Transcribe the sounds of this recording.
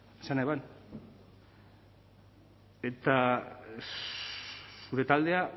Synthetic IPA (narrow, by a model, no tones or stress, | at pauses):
esanaβan | e̞t̪a | suɾe̞t̪ald̪e̞a